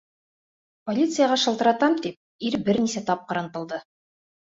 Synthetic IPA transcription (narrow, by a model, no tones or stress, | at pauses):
polʲit̪sɨjaʁɑʃɤ̆lˠt̪ɤ̆ɾɑt̪ɑmt̪ip̚iɾbɘɾnisæt̪ɑp̚qɑɾɑnt̪ɤ̆lˠd̪ɤ